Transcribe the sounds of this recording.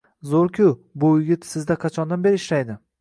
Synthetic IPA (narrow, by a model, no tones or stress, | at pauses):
zoɾkʲʰʊbʊjɪɡʲɪt̪sɪzd̪aqʰɑt͡ʃʰɒnd̪anbe̞ɾɪːʃɾajd̪ɪ